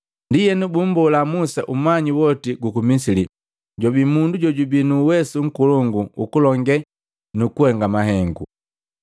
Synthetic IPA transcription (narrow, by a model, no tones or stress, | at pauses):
ndijɛnubum̩bɔulamusaʔumaɲiwɔtiɡukumisili | ɟɔbimunduɟɔɟubinuːwɛsuŋ̩kuluŋɡuukulɔŋɡɛ | nukuhɛŋɡamaɦɛŋɡṵ